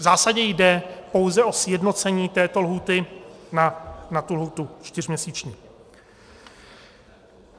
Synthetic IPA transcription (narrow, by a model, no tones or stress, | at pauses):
zaːsaɟɛjdɛpo̞wzɛʔo̞sjɛdno̞t͡sɛɲiːt̪ɛːt̪o̞lɦuːt̪ɪnanat̪ulɦuːt̪ut͡ʃt̪ɪr̝mɲɛsiːt͡ʃɲiː